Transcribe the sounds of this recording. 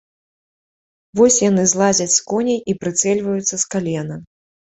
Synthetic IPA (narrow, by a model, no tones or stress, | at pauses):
vɔsʲjan̪ɨzlˠad͡zʲɐt͡sʲskɔnʲɛjʔipɾɨt̪sɛlʲvɐjut̪sːɐskalʲɛnɐ